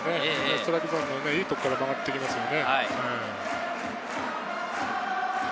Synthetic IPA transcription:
neoi̥t̪oɾakʲizõnoneiːt̪okːaɾamaɡaɾit̪ːe̞kʲimasɨjo̞ne̞aiẽ

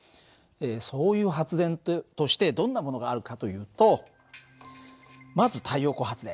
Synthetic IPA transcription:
eːso̞ːjɯ̟ːɦat͡sɨd̪ẽ̞nt̪o̞ɕi̥t̪e̞d̪õ̞nːamo̞no̞ɡaːɾɯ̟kat̪o̞jɯ̟ːt̪o̞ | mazɨt̪ʰaijo̞ːko̞ːɦat͡sɨd̪ẽ̞

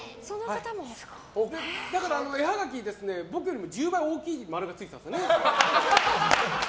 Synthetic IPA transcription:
sonohakat̪amo̥ | d̪ed̪akaɾaːno̞e̞haɡak̬ʲid̪e̞sɨne̞bo̞kɯ̟jo̞ɾʲimo̞d͡ʑɨːbaĩo̞ːkʲiːmaɾɯ̟ɡat͡sɨit̪amsne

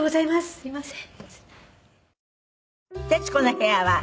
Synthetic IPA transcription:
ɡozaimasɨ̥sɨɾʲimasẽ̥ | t̪et͡ɕi̥konoheaβa

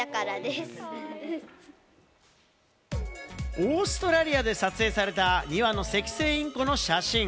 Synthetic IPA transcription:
akaɾad̪esɨ̥ | oːsɨ̥t̪o̞ɾaɾʲiad̪e̞sat͡sɨe̞ːsaɾe̞t̪aɲʲiβano̞se̞kʲi̥se̞ːĩŋko̞no̞ɕaɕĩ

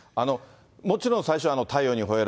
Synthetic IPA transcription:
ano̞ | mo̞t͡ɕiɾõsaiɕo̞ano̞t̪ʰaio̞ːɲ̟iɦo̞eɾ

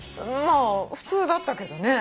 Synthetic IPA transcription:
maːɸɯ̟̥t͡sɨːd̪at̪ːake̞d̪o̞ne̞

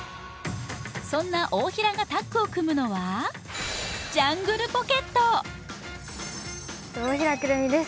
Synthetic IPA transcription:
sõ̞nːaʔoːçiɾaɡat̪akːɯ̟o̞kɯ̟mɯ̟no̞βa | d͡ʑãŋɡɯ̟ɾɯ̟po̞ke̞t̪ːo | oːçiɾakɯɾɯmʲid̪es

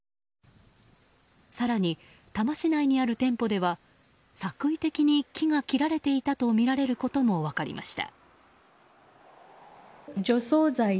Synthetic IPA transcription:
saɾaɲ̟i | t̪amaɕinaiɲ̟iaɾɯ̟t̪ẽ̞mpo̞d̪e̞βa | sakɯ̟it̪e̞kʲiɲ̟ikʲiŋakʲiɾaɾe̞t̪e̞it̪at̪o̞mʲiɾaɾe̞ɾɯ̟ko̞t̪o̞mo̞βakaɾʲḭma̰ɕi̥t̪a̰ | d͡ʑo̞so̞ːzai

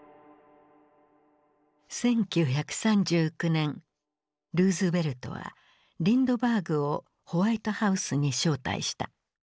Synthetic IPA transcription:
sẽ̞ŋkʲɨːçakɯ̟̥sãɲd͡ʑɨːkɯ̟nẽ̞ŋ | ɾɯ̟ːzɨbe̞ɾɯ̟t̪o̞̰βa̰ | ɾʲĩnd̪o̞baːɡɯ̟o̞ | ho̞βait̪o̞haɯ̟sɨɲ̟iɕo̞ːt̪a̰ḭɕi̥t̪a̰

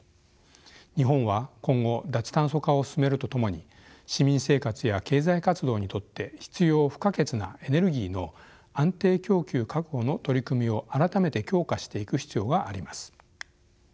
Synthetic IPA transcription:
ɲ̟iɦõ̞ɰ̃βakõ̞ŋɡo̞d̪at͡sɨ̥t̪ãɰ̃so̞kaosɨ̥sɨme̞ɾɯ̟t̪o̞t̪o̞mo̞ɲ̟i | ɕimʲĩɰ̃se̞ːkat͡sɨjake̞ːzaikat͡sɨd̪o̞ːɲ̟it̪o̞t̪ːe̞çi̥t͡sɨjo̞ːɸɯ̟̥kake̞t͡sɨna̰e̞ne̞ɾɯ̟ɡʲiːno̞ | ãnt̪e̞ːkʲo̞ːkʲɨːkakɯ̟ɡo̞no̞t̪o̞ɾʲikɯ̟mʲio̞ʔaɾat̪ame̞t̪e̞kʲo̞ːkaɕi̥t̪e̞ikɯ̟çi̥t͡sɨjo̞ːɡaʔːɾʲimasɨ̥

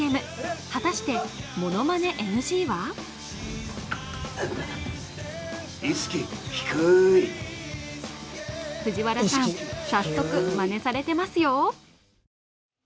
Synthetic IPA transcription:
emɯ̟ | hat̪aɕi̥t̪e̞mo̞no̞mane̞ʔenɯ̟ɕiːβa | isɨ̥kʲiçi̥kɯi | ɸɯ̟ʑiβaɾasaãɕat̪ːo̞kɯ̟mane̞saɾe̞t̪e̞masɨjo̞

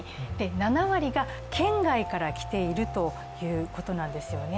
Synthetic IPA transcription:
d̪̥e̞nanaβaɾʲiɡa | kʰẽ̞ŋɡaikaɾakʲi̥t̪e̞iɾɯ̟t̪o̞ | jɯ̟ːko̞t̪o̞nãnd̪e̞sɨjo̞ne

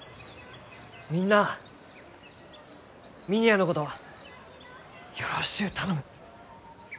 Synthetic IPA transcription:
mʲĩnːa | mʲiɲ̟ianoko̞t̪o̞ | joɾoɕi̥kɯ̟t̪ʰano̞mɯ̟

